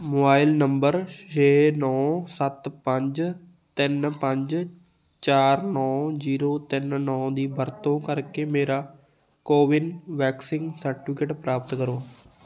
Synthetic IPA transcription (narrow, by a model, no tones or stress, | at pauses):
moːbaːɪlnəmbəɾt͡ʃeːnɔːsət̪pəɲd͡ʒ | t̪ɪnpəɲd͡ʒ | t͡ʃaːɾnɔːziːɾoːt̪ɪnnɔ̃ːd̪iːbəɾt̪õːkəɾkeːmeːɾaː | koːʋɪnʋɛːksɪ̃ŋɡsəɾʈɪfʰɪkeʈpɾaːpət̪kəɾoː